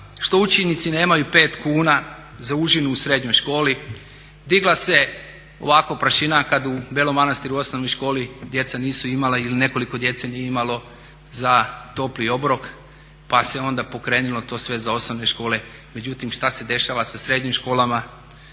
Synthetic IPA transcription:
ʃt̪o̞ut͡ʃenit̪sine̞ːmajupe̞ːt̪kuːna | zauʒinuːsɾe̞d̪ɲojʃko̞ːli | d̪iɡlˠase̞ | o̞̰ʋakopɾaʃinakad̪ubjelo̞mːanast̪iɾuo̞snono̞jʃko̞ːlid̪je̞t̪saniːsuimalailine̞ko̞liko̞d̪je̞t̪senijeimalo̞ | zat̪o̞plio̞bɾo̞k | pase̞o̞nd̪apo̞kɾe̞ːnilˠo̞t̪o̞ːsʋe̞zao̞snoʋne̞ʃko̞ːle̞me̞d͡ʑut̪imʃt̪ase̞d̪e̞ʃaːʋasasɾe̞d̪ɲimʃko̞ːlama

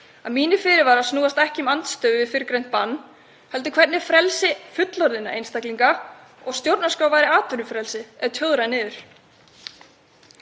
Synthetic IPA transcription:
aðmiːnɪfɪːɾɪɾvaɾaðsnuːast̪ɛhcɪmant̪st̪œːɥɪfɪɾɪkɾejn̥t̪̚panː | hɛlt̪ʏkʰvɛt̪nɪɾ̥fɾɛlsɪfʏt̪lɔɾðɪna̰ʔḛjnst̪akliŋka | ɔɣst̪jowɾt̪naskaːwvajɾɪaːt̪vʏɾʏfɾɛlsɪɛðt̪ʰjœwɾajnɪːðʏɾ̥

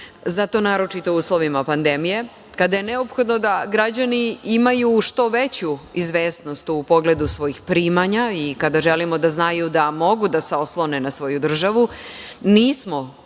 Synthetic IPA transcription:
zat̪o̞naːɾo̞t͡ʃit̪o̞uːslˠo̞ʋimapand̪emije̞ | kad̪ajene̞opxo̞d̪no̞d̪aɡɾad͡ʑaniimajuʃt̪o̞ʋet͡ɕuizʋeːsno̞st̪upo̞ɡle̞d̪usʋo̞jixpɾiːmaɲaikad̪aʒelimo̞d̪aznajud̪amo̞ɡud̪aseo̞slˠo̞ne̞nasʋo̞jud̪r̩ʒaʋu | niːsmo̞

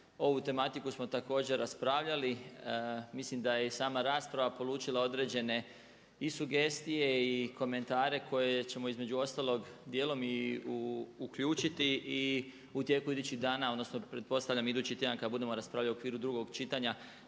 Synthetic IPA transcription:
o̞ʋut̪e̞mat̪ikusmo̞t̪ako̞ːd͡ʑe̞ɾaspɾaːʋʎali | mislimd̪ajesaːmaɾaːspɾaʋapo̞luːt͡ʃilˠao̞d̪ɾe̞ːd͡ʑe̞ne̞ | isuɡe̞st̪ije̞iko̞me̞nt̪aːɾe̞kʰo̞je̞t͡ɕe̞mo̞izme̞d͡ʑuo̞st̪aːlo̞ɡd̪jeːlo̞miuukʎuːt͡ʃit̪ii | ut̪je̞ːkuid̪uːt͡ɕiɣd̪aːnaod̪nosnopɾe̞t̪̚po̞st̪aʋʎamid̪uːt͡ɕit̪jed̪ankad̪abud̪e̞mo̞ɾaspɾaːʋʎaliokʋiːɾud̪ɾuɡo̞ɡt͡ʃit̪aɲa

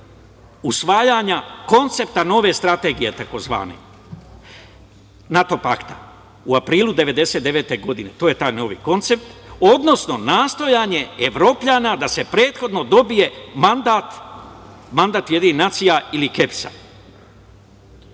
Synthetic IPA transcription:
usʋaːjaɲako̞nt̪se̞p̚t̪ano̞ːʋe̞st̪ɾat̪e̞ːɡije̞t̪ako̞zʋa̰ːnḛ | nat̪o̞pa̰kt̪a | uapɾiːlˠud̪e̞ʋe̞d̪e̞se̞t̪eʋe̞ːt̪e̞ɡo̞d̪ine̞t̪oːje̞t̪aːjno̞ːʋḭko̞nt̪se̞p̚t̪o̞d̪no̞sno̞naːst̪o̞jaːɲe̞eʋɾo̞ːpʎaːnad̪ase̞pɾe̞ːt̪xo̞d̪no̞d̪o̞bije̞mand̪at̪ | mand̪at̪je̞d̪ininat̪sijailike̞psa̰

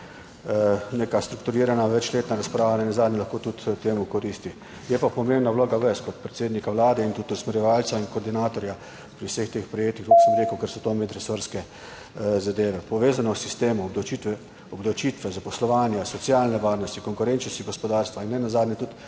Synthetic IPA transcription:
neːkast̪ɾukt̪uɾiːɾanaʋɛt͡ʃleːt̪naɾaspɾaːʋanɛnazaːd̪nʲɛlaxkoːt̪ut̪t̪ːeːmukɔɾist̪i | jɛpapɔmembnawloːɡaʋɛskɔt̪pɾɛt̪seːd̪nikawlaːd̪ɛint̪ut̪usmɛɾjɛʋalt̪sainkɔɾd̪inaːt̪ɔɾja | pɾiwsext̪eːxpɾɛjeːt̪ixt̪koksəmɾeːkəwkɛɾsɔt̪oːmet̪ɾɛsoɾskɛ | zad̪eːʋɛpɔʋeːzanɔsist̪eːmuːbd̪ɔwt͡ʃit̪ʋɛ | ɔbd̪ɔwt͡ʃit̪ʋɛzapɔslɔʋaːnjasɔt̪sjaːlnɛʋaːɾnɔst̪ikɔŋkʊɾɛnt͡ʃnɔst̪iɡɔspɔd̪aɾst̪ʋainːɛnazaːd̪nʲɛt̪ut̪

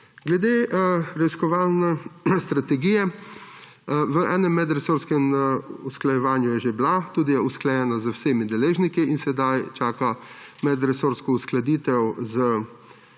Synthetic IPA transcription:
ɡlɛd̪eɾɛiskɔʋaːlnɛst̪ɾat̪ɛɡiːjɛ | ʋəʔɛːnɛmːɛd̪ɾɛsoːɾskɛmusklajɛʋaːnjujɛʒeblat̪uːd̪ijɛusklajɛnazəwseːmid̪ɛleːʒnikiinsɛd̪ajt͡ʃaːkamɛd̪ɾɛsoːɾskɔusklad̪iːt̪ɛwzə

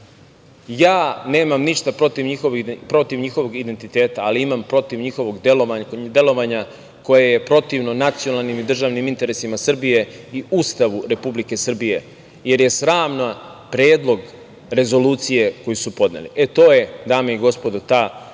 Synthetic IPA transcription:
jaːne̞ːmamniʂt̪apɾo̞t̪iʋɲixoʋpɾo̞t̪iʋɲixo̞ʋo̞ɡid̪e̞nt̪it̪e̞ːt̪aːliimampɾo̞t̪iʋɲixo̞ʋo̞ɡd̪eload̪e̞lˠo̞ʋaɲa | ko̞jeje̞pɾo̞t̪iʋnonat̪sio̞nalˠnimid̪r̩ʒaːʋnimint̪e̞ɾe̞simasr̩bije̞iuːst̪aʋuɾe̞publike̞sr̩bije̞ | je̞ɾje̞sɾaːmna | pɾeːd̪lˠo̞ɡ | ɾe̞zo̞luːt̪sije̞ko̞jusupo̞d̪nḛlḭʔet̪o̞ːje̞d̪aːmeiɡo̞spo̞d̪ot̪aː

